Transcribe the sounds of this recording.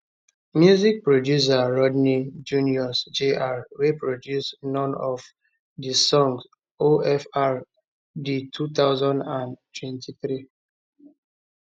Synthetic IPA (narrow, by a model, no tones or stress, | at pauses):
mjuzik̚pɹodjus̬aɹɔdnid͡ʒuniɔsd͡ʒeʔaɹwepɹodjusnɔ̃nɔv | disɔ̃ŋs | oʔɛfaɹ | ditʰut̪aʊzãndãntwɛ̃ntiθɾi